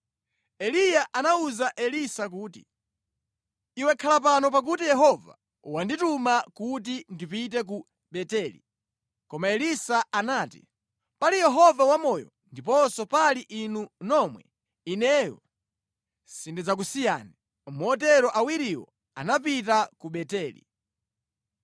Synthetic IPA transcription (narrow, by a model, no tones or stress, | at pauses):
ɛlijaʔanauzaʔɛlisak̬uːtḭ | iwɛkʰalap̬anɔpak̬utijɛɦɔva̰ | wanditumakut̬indipit̬ɛk̬u | ɓɛtɛlḭ | kɔmaɛlisaanaːtḭ | palijɛɦɔvawamɔjɔ̰ndipɔsɔpaliʔinunɔmwɛ | inɛjɔ̰ | sindid͡zak̬usija̰ːni | mɔt̬ɛɾɔʔawiɾiwɔ̰ | a̰nap̬itakuɓɛtɛːlḭ